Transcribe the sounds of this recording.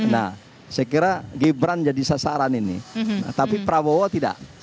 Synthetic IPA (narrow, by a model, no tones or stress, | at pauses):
na̰h | sajkiɾaɡibɾand͡ʒadisasaɾaninḭna̰t̪apipɾawowɔt̪ida̰ʔ